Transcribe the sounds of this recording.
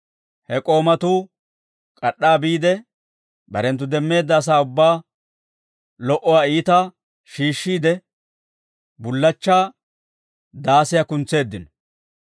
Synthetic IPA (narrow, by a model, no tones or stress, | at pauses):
hɛkʼo̞ːmɐt̪uː | kʼɐɗːaːbiːd̪ɛ | bɐ̰ɾɛnt̪̬ːʊd̪ɛmːe̞ːd̪ːɐːs̬aːʊbːaː | lɔʔɔwaːiːt̪ɐ | ʃiːʃːiːd̪ɛ | bʊlːɐt͡ʃːaː | d̪aːsɪjakʊnt͡sːe̞ːd̪ːɪnɔ̥